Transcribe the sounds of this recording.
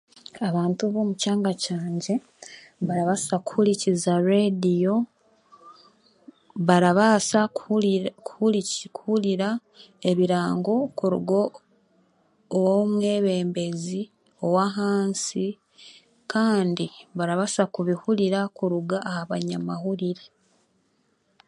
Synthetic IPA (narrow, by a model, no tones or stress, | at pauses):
aβaːntuβomucaːŋɡacaːɲɟe̞ | βaɾaβasakuhuɾicizaɾedijo̞ | βaɾaβasa | kuhulikuhuɾiɾa | e̞βiɾaːŋɡo̞kuɾṵɡo | womwe̞ːβe̞ːmbe̞zi | o̞waɦaːnsi | kaːndiβaɾaβasakuβihuliɾakuɾuɡaːhaβaɲamahuɾiɾe